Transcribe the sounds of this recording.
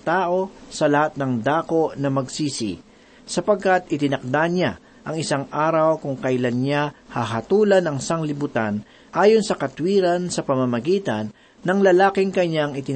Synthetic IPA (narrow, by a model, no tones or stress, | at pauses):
t̪aːʔo̞sɐlɐhat̪̚nɐŋd̪aːko̞ʔnɐmɐɡsiːsḭ | sɐpɐɡ̚kat̪ʔɪt̪ɪnɐk̚d̪aɲa | ʔɐŋɪsaŋʔaːɾɐwkʊŋkɐɪlanɲahɐɦɐt̪uːlɐnɐŋɪsaŋlɪbʊt̪an | ʔaːjonsɐkɐt̪wiːɾɐnsɐpɐmɐmɐɡiːt̪ɐnː | ɐŋlɐlaːkɪŋkɐɲaŋɪt̪ɪ